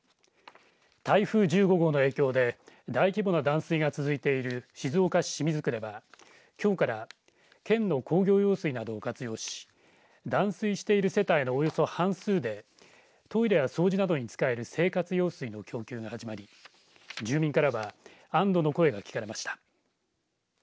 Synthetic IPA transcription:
t̪aiɸɯ̟ːd͡ʑɨːɡo̞ɡo̞no̞e̞ːkʲo̞ːd̪e̞d̪aikʲibo̞nad̪ãɰ̃sɨiɡat͡sɨzɨit̪e̞iɾɯ̟ɕizɨokaɕi̥ɕimʲizɨkɯɾe̞ba | kʲo̞ːkaɾa | kẽ̞nːo̞kʰo̞ːɡʲo̞ːjo̞ːsɨinad̪o̞ːkat͡sɨjo̞ːɕi̥ | d̪ãɰ̃sɨiɕi̥t̪e̞iɾɯ̟se̞t̪aino̞ːjo̞so̞hãɰ̃sɨːd̪e̞ | t̪o̞iɾe̞jaso̞ːʑinad̪o̞ɲ̟it͡sɨ̥kae̞ɾɯ̟se̞ːkat͡sɨjoːsɨino̞kʲo̞ːkʲɨːɡahaʑimaɾʲi | d͡ʑɨːmʲĩŋkaɾaβaãnd̪o̞no̞ko̞e̞ɡakʲi̥kaɾe̞maɕi̥t̪ḁ

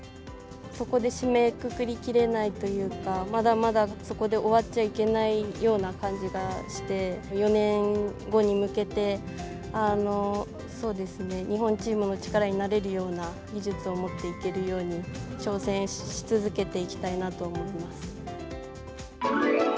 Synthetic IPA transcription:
so̞ko̞d̪e̞ɕime̞kɯ̟kɯ̟ɾʲikʲiɾe̞nait̪o̞jɯ̟ːkamad̪amad̪aso̞ko̞d̪e̞ʔo̞βat͡ɕaike̞naijo̞ːnakãɲ̟d͡ʑiɡaɕi̥t̪e̞jo̞nẽ̞ŋɡo̞ɲ̟imɯ̟ke̞t̪e̞ | ano̞ | so̞ːd̪e̞sɨne̞ɲiɦõ̞ɲt͡ɕiːmɯ̟no̞t͡ɕi̥kaɾaɲ̟inaɾe̞ɾɯ̟jo̞ːna | ɡʲiʑɨt͡sɨo̞mo̞t̪ːe̞ike̞ɾɯ̟jo̞ːɲ̟it͡ɕo̞ːsẽ̞ɰ̃ɕi̥t͡sɨzɨke̞t̪e̞ikʲi̥t̪ainat̪o̞ːmo̞imasɨ̥

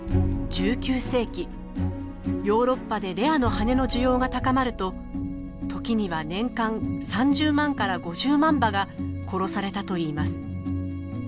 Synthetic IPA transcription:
d͡ʑɨːkʲɨːse̞ːkʲi | jo̞ːɾo̞pːad̪e̞ɾe̞ano̞hane̞no̞ʑɨjo̞ːɡat̪akamaɾɯ̟t̪o̞ | t̪o̞kʲiɲ̟iβanẽ̞ŋkãŋsãɲ̟d͡ʑɨːmãŋkaɾaɡo̞ʑɨːmãmbaɡako̞ɾo̞saɾe̞t̪at̪o̞iːmasɨ̥

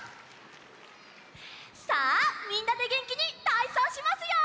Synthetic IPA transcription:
samʲĩnːad̪e̞ɡẽ̞ŋkʲiɲ̟it̪aisãɕimasɨjo

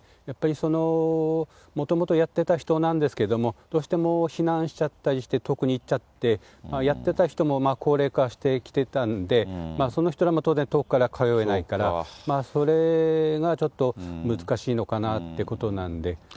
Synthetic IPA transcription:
japːaɾʲiso̞no̞ | mo̞t̪o̞mo̞t̪o̞jat̪ːe̞t̪açi̥t̪o̞nãnd̪e̞sɨ̥ke̞d̪o̞mo̞d̪̥o̞ːɕi̥t̪e̞mo̞çinãɰ̃ɕi̥t͡ɕat̪ːaɾʲiɕi̥t̪e̞t̪o̞kɯ̟ɲ̟iːtt͡ɕat̪ːe̞ | maːjat̪ːe̞t̪açi̥t̪o̞mo̞maːkʰo̞ːɾe̞ːkaɕi̥t̪e̞kʲi̥t̪e̞t̪and̪e̞maːso̞no̞çi̥t̪o̞ɾamot̪o̞ːzent̪okɯ̥kːaɾakʰajo̞e̞naikaɾamaːso̞ɾe̞ɡat͡ɕo̞t̪ːo̞mɯzɨ̥kaɕiːno̞kanat̪ːe̞ko̞t̪o̞nãnod̪e̞

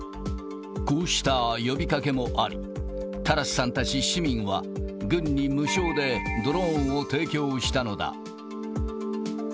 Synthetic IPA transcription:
koːɕi̥t̪ajo̞bʲikake̞mo̞ʔaɾʲḭ | t̪aɾasɨ̥sãnt̪at͡ɕiɕimʲĩɰ̃βaɡɯ̟̃ɲ̟ːimɯ̟ɕo̞ːd̪e̞d̪o̞ɾõ̞ɰ̃ot̪e̞ːkʲo̞ːɕi̥t̪ano̞d̪a̰

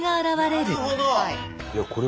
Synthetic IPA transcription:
ɡaːɾaβaɾe̞ɾɯ̟ | jakoɾe

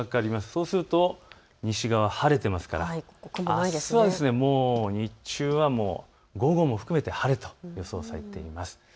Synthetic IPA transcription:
akaɾʲimasɨ̥soːsɨɾɯ̟t̪o̞ | ɲ̟iɕiɡaβahaɾe̞t̪e̞masɨ̥kaɾa̰asɨβad̪e̞sɨne̞mo̞ːɲ̟it͡ɕɨːβamo̞̰ː | ɡo̞ɡo̞mo̞ɸɯ̟̥kɯ̟me̞t̪e̞haɾe̞t̪o̞̥jo̞so̞̰ːsaɾe̞̰t̪e̞imasɨ̥

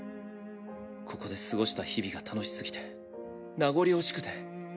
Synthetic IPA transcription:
kʰo̞ko̞d̪e̞sɨɡo̞ɕi̥t̪açibʲiɡat̪ʰano̞ɕi̥sɨɡʲi̥t̪e̞ | naɡo̞ɾʲio̞ɕi̥kɯ̟̥t̪e̞

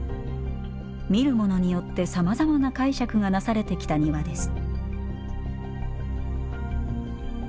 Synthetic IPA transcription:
mʲiɾɯ̟mo̞no̞ɲ̟ijo̞t̪ːe̞samazamanakaiɕakɯ̟ɡanasaɾe̞t̪e̞kʲi̥t̪aɲ̟iβad̪e̞sɨ̥

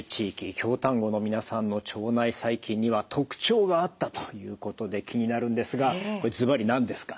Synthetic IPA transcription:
t͡ɕiːkʲikʲo̞ːt̪ãŋɡo̞no̞mʲinasãnːo̞t͡ɕo̞ːnaisaikʲĩɲ̟ːiβat̪ʰo̞kɯ̟̥t͡ɕo̞ːɡaːt̪ːat̪o̥jɯ̟ːko̞t̪o̞d̪e̞kʲʰiɲ̟inaɾɯ̟̃nd̪e̞sɨɡakkoed͡zɨbaɾʲinãnd̪e̞sɨ̥kḁ

